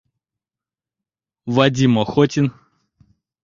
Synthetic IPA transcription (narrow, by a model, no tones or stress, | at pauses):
vɐdʲimɔxɔtʲɪn